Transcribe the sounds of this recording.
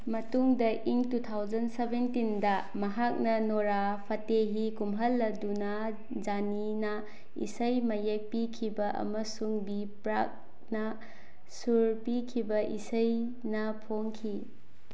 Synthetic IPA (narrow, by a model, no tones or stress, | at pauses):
mɐtuŋdɐʔiŋtutʰawd͡ʒɐnsebentindɐ | mɐɦak̚nɐnoɾapʰɐteɦikumɦɐlːɐduna | d͡ʒani | nɐ | ḭsɐjmɐjek̚pikʰibɐʔɐ̰mɐsuŋbi | pɾak̚ | nɐ | suɾpikʰibɐʔḭsɐj | nɐpʰoŋkʰi